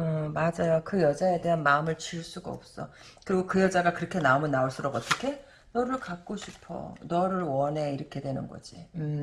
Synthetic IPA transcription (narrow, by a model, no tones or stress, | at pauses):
ɯmad͡ʑajokɯjʌd͡ʑae̞de̞ɦanmaɯmɯɭt͡ɕiɭs͈uɡa̰ʌ̰p̚s͈ʌ | kɯɾiɡokɯjʌd͡ʑaɡakɯɾʌkʰe̞naomɯnːaoɭs͈uɾʌɡʌt͈ʌkʰe̞ | nʌɾɯɭkak̚k͈oɕʰipʰʌ̰nʌɾɯɭwʌne̞iɾʌkʰe̞dwe̞nɯnɡʌ̰d͡ʑiɯ